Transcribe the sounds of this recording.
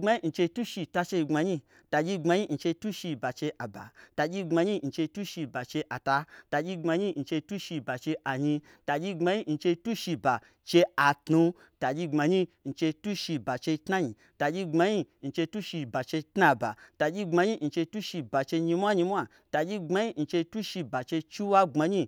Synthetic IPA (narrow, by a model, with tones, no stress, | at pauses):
ŋ͡ma˧ɲi˦˧n̩˧t͡ʃe˧tu˦ʃi˧ta˧t͡ʃe˧i˧ŋ͡mma˧ɲi˦ | ta˧d͡ʒʲi˧ŋ͡mma˧ɲi˦n̩˧t͡ʃe˧tu˦ʃi˧ba˨t͡ʃe˧ʔa˨ba̰˨ta˧d͡ʒʲi˧ŋ͡ma˧ɲi˦n̩˨˧t͡ʃe˧tu˦ʃi˧ba˨t͡ʃe˧ʔa˨ta˧ta˧d͡ʒʲi˧ŋ͡ma˧ɲi˦n̩˧t͡ʃe˧tu˦ʃi˧ba˨t͡ʃe˧ʔa˨ɲĩ˧ | ta˧d͡ʒʲi˧ɡ͡ba˧ɲi˦n̩˧t͡ʃe˧tu˦ʃi˧ba˨ | t͡ʃe˧a˨tnu˧ | ta˨d͡ʒʲi˧ŋ͡ma˧ɲi˦n̩˧t͡ʃe˧tu˦ʃi˧ba˨t͡ʃe˧tna˦ɲi˨ | ta˨d͡ʒʲi˧ŋ͡ma˧ɲi˦n̩˧t͡ʃe˧tu˦ʃi˧ba˨t͡ʃe˧tna˧ba˨ta˧d͡ʒʲi˧ŋ͡ma˧ɲi˦n̩˧t͡ʃe˧tu˦ʃi˧ba˨t͡ʃe˧ɲi˧mʷ˦a˦ɲi˧mʷ˦a˦˨ | ta˨d͡ʒʲi˧ɡ͡ba˧˦ɲi˦n̩˧t͡ʃe˧tu˦ʃi˧ba˨t͡ʃe˧t͡ʃi˦wa˦ŋ͡ma˧ɲi˦